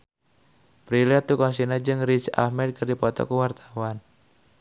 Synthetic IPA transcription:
pɾiliat̪ːukɔnsinad͡ʒɨŋrit͡ʃa̰hmɛd̪̚kərdipɔt̪ɔ̰kəwart̪ḁwan

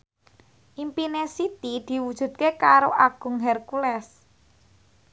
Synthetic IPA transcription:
ʔimpinesit̪id̪̥i̤wud̥ʒ̥ṳt̪̚kekaɾoʔaɡ̥ʊ̤ŋɦɛrkulɛs

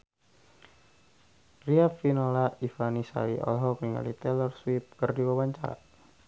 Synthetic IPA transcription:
riafinɔlaifanisa̰iʔɔ̰lɦɔkiŋa̰lit̪ɛlɛrswip̚kərdiwawaɲt͡ʃaɾa̰

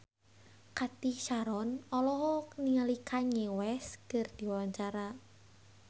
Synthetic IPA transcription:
kat̪ihʃaɾɔnɔlɔɦɔniŋalikʰaɲewɛskərd̪̥i̤waɲt͡ʃaɾa

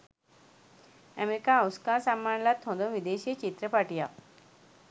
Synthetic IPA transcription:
əmeɾikaəwskasamːaɳlat̪ʰːõd̪õʋid̪eɕit͡ɕit̪ɾəpaʈija

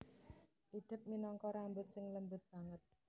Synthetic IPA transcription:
ʔid̪̥ɪ̤p̚minɔŋkɔɾambʊt̪̚sɪŋləmbʊt̪̚b̥aŋət̪̚

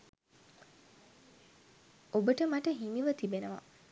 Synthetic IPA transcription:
obəʈəmɐʈəɦimiʋət̪ibenəʋɐ̰

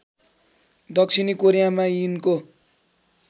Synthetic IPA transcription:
d̪ʌksʰinikoɾijamainko

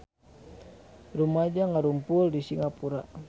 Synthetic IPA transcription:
rumad͡ʒaŋaɾumpuldisiŋapuɾa

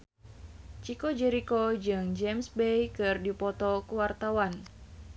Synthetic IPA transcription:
t͡ʃikod͡ʒɛɾikod͡ʒɨŋd͡ʒɛmsbejkɨrdipɔt̪ɔkuwart̪awan

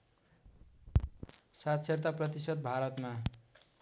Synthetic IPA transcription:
sat̪sert̪aprʌt̪isʌd̪̚bʱaɾʌt̪ma

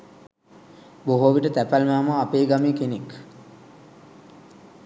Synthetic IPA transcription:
boɦoːʋiʈət̪æpælmaːməapeːɡamikenek

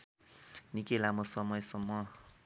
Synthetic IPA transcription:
nikelamosʌmʌjsʌmːʌ

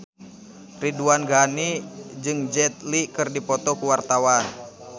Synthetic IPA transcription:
riduanɡanid͡ʒɨŋd͡ʒɛt̪̚likɨrdipɔt̪ɔkuwart̪awan

